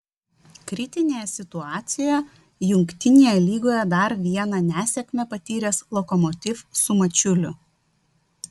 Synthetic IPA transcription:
kɾʲɪt̪ʲɪnʲeːjɛsʲɪt̪ʊɑːt̪sʲɪjjɛ | jʊŋʲkt̪ʲɪnʲeːjɛlʲiːɡoːjɛd̪ɐɾʋʲiɛnɐnʲæːsʲɛkʲmʲɛpɐt̪ʲiːɾʲɛslˠɔkɔmɔt̪ʲɪfsʊmɐt͡ʃʲʊlʲʊ

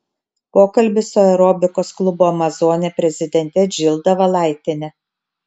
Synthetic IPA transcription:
poːkɐlʲbʲɪsʊɛʊɾɔːbʲɪkoːsklˠʊbuɐmɐzoːnʲepʲɾʲɛzʲɪd̪ʲɛnʲt̪ʲɛd͡ʒʲɪlˠd̪ɐʋɐlˠɑˑɪt̪ʲenʲɛ

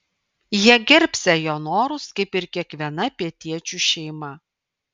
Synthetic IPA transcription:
jiɛɡʲɪɾʲpʲsʲɛjoːnoːɾʊskɐɪpɪɾkʲiɛkʋʲiɛnɐpʲiɛt̪ʲiɛt͡ʃʲuʃʲɛɪmɐ

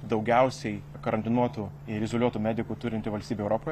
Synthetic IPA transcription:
d̪ɒʊɡʲɛʊsʲɛɪ | kɐɾɐnʲt̪ʲɪnuɔt̪u | ɪɾʲɪzolʲuɔt̪uːmʲæːd̪ʲɪkuːt̪ʊɾʲɪnt̪ʲɪʋɐlʲst̪ʲiːbʲɛʊɾoːpoːj

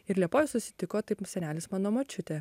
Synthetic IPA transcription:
ɪɾlʲiɛpoːʋʲɛssʊsʲɪ̥t̪ʲɪkoːt̪ɐɪpsʲɛnʲæːlʲɪsmɑːnoːmɐt͡ʃʲʊt̪ʲeː

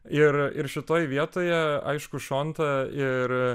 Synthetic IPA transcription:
ɪɾɪ̰ɾʃʲɪt̪oːjʋʲiɛt̪oːjɛɐ̰ɪʃkʊʃoːnt̪ɐɪɾ

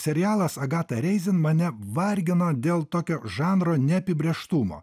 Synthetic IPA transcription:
sʲɛɾʲɪjɑːlˠɐsɐɡɑːt̪ɐɾʲɛɪzʲɪnmɐnʲɛʋɐɾʲɡʲɪnoːd̪ʲeːlˠt̪oːkʲoːʒɑːnɾoːnʲɛɐpʲɪbʲɾʲeːʃt̪ʊmo̰ː

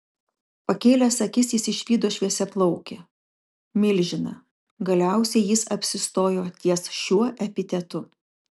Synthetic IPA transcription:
pɐkʲeːlʲɛsɐkʲɪsjɪsɪʃʲʋʲiːd̪oːʃʲʋʲiɛsʲɛplˠɒʊkʲe | mʲɪlʲʒʲɪnɐ | ɡɐlʲæˑʊsʲɛɪjɪsɐpʲsʲɪst̪oːjoːt̪ʲiɛsʃʲuɔʔɛpʲɪt̪ʲɛt̪ʊ

